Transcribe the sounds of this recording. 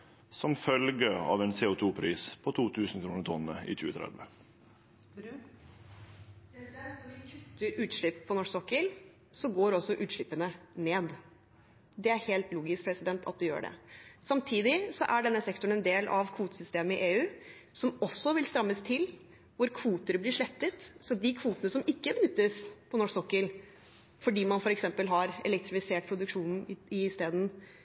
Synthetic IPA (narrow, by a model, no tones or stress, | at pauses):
sɔmfœlɡəɑ̰ːʋɛnseːʊt̪ʰuːpʰɾiːspʰɔt̪ʰuːt̪ʰʉːsn̩kʰɾuːnət̪ʰɔnːəḭːc͡çʉːət̪ʰɾɛ̰d̪ʋə | ɪkʰʉt̪ːəɾʉːt̪ʂɭɪpːpʰɔnɔʂsɔkːəl | sɔɡoːɾɔsːɔʔʉːt̪ʂɭɪpːənəneːd̪ | d̪ɛæɾheːlt̪luːɡɪskpʰɾɛsɪd̪ɛnt̪ʰɑ̰t̪̚d̪ɛjø̰ːɖɛ̰sɑmt̪ʰiːd̪ɪsɔʔæɖɛnːəsɛkt̪ʊɳ̩ɛnd̪eːlʔɑʋkʰʋuːt̪əsʏst̪eːməɪʔeːʉː | sɔmɔsːɔʋɪlst̪ɾɑmːəst̪ʰɪl | ʋʊɾkʰʋuːt̪əɾblɪʂɭɛt̪ːət̪sɔd̪ɪkʰʋuːt̪ənəsɔmɪkːəbənʏt̪ːəspʰɔnɔʂsɔkːəl | fɔɖiːmɑnfɔɾɛksɛmpəlɦɑɾɛ̰lɛk̚t̪ɾɪfɪseːʈ̚pʰɾʊd̪ʉkʂuːnn̩ɪst̪eːd̪n̩